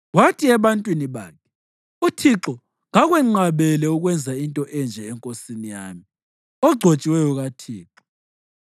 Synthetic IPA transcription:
watʰiɛβantʼwiniβa̰ːkʰɛ̥ | utʰiǁɔ | ŋaɣwɛŋ͡ǀaβɛlɛuɣwɛnd͡zʱaintʼɔʔɛnd͡ʒʱɛɛŋkʼosinija̰ːmi | ɔɡ͡ǀʱot͡ʃʼiwɛjɔɣatʰiːǁɔ

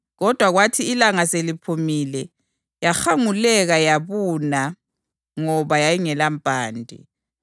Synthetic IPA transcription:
ɣɔd̥ʱwaɣwatʰiːlaŋaselipʰumilɛ | jaxaŋulɛɣajaβuna | ŋɔβajajiŋɛlampʼaːndʱḭ

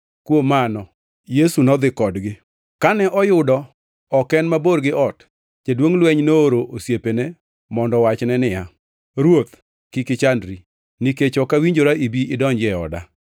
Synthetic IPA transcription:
kwomanɔ | jesunɔd̪ɪkɔdɡɪ | kanɛʔɔjʊdɔ | ɔkɛnmaboɾɡɪʔɔt | d͡ʒedwoŋlwɛɲnooɾoʔosjepene | mɔndɔwat͡ʃnɛnɪja | ɾwot̪ | kɪkɪt͡ʃandɾi | niket͡ʃɔkawiɲd͡ʒoɾaibiɪdɔɲd͡ʒɛɔ̰da̰

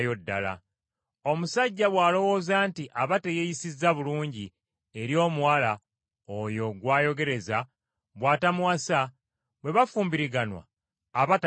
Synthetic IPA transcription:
jo̞dːa̰la̰ | o̞musaɟːaβwaːlo̞wo̞ːzaːntiʔaβatejejisizːaβuluːɲɟi | eɾjo̞ːmuwala | ojo̞ɡwaːjo̞ɡe̞ɾe̞za | βwaːtamuwasa | βwe̞βafuːmbiɾiɡanwa̰ː | βat

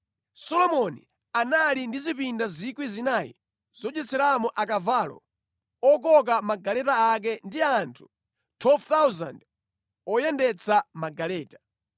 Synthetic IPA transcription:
sɔlɔmɔnḭ | analindizipindazikwizinaːjḭ | z̥ɔt͡ʃɛsɛɾamɔʔak̬avaːlɔ̰ | ɔk̬ɔk̬amaɡalɛtaak̬ɛndiantʰu̥ | tʰwɛlvt̪awza̰nd | ɔjɛndɛt͡sʰamaɡalɛːtḁ

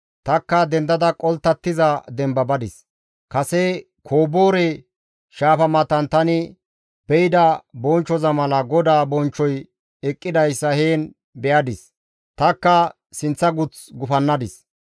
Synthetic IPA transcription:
t̪ɐkːɐd̪ɛnd̪ɐd̪ɐkʼɔlt̪ːɐt̪ːɪzɐd̪ɛmbɐbɐd̪ɪs | kɐsɛ | kʰoːbo̞ːɾɛ | ʃaːfɐmɐt̪ɐnt̪ɐnɪ | bɛjɪd̪ɐbɔnt͡ʃːɔzɐmɐlɐɡɔd̪aːbɔnt͡ʃːɔj | ɛkʼːɪd̪ɐjsːɐheːn | bɛʔɐd̪ɪs | t̪ɐkːɐ | sɪnt͡sːɐɡʊt͡sɡʊfɐnːɐd̪ɪs

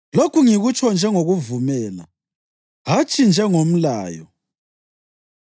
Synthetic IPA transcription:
lokʰuŋiɣut͡ʃʰʼɔnd͡ʒʱɛŋoɣuvumɛːla̰ | ɦat͡ʃʼʰind͡ʒʱɛŋom̩la̰ːjɔ̰

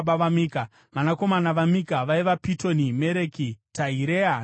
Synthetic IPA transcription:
ɓaʋamika | ʋanako̞manaʋamikaʋaiʋapito̞nime̞ɾekitʰaiɾea

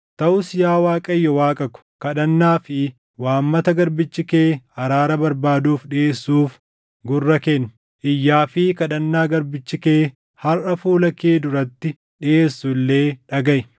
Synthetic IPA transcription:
t̪ɐʔʊsjaːwaːkʼɐjːɔwaːkʼɐkʊ̥kɐᶑɐnːaːfɪ | waːmːɐt̪ɐɡɐɾbɪt͡ʃːɪke̞ːhɐɾaːɾɐbɐɾbaːd̪uːfɗɪʔeːsːuːf | ɡʊrːɐkenːʊ̥ | ʔɪjːaːfɪkɐᶑɐnːaːɡɐɾbɪt͡ʃːɪkeː | hɐrʔɐfuːlɐkeːd̪ʊɾɐt̪ːɪ | ᶑɪʔeːsːʊlːe̞ːᶑɐɡɐʔɪ

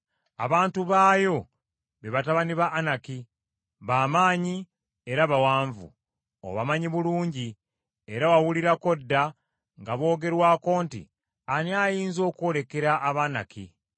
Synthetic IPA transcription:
a̰βaːntuβaːjo̞ | βeβataβaniβaʔːnaki | βaːmaːɲi | e̞ɾaβawaːɱvṵ | o̰βamaɲiβuluːɲɟi | eɾawawuliɾako̞dːa | ŋɡaβo̞ːɡe̞ɾwaːko̞ːntḭ | aniajiːnzo̞ːko̞ːle̞ke̞ɾaʔːβana̰kḭ

